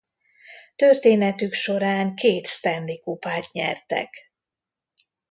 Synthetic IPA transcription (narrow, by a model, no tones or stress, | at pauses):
t̪ørt̪eːnɛt̪ykʃo̞ɾaːŋkʰeːt̪st̪ɛnlikupaːt̪ɲɛ̰rt̪ɛ̰k